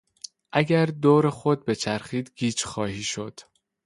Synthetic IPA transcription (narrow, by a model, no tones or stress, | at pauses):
ʔæɟæɾd̪oːɾexod̪̚be̞t͡ʃʰæɾxiːd̪ɡiːt͡ʃxɒːhiːʃo̞d̪̥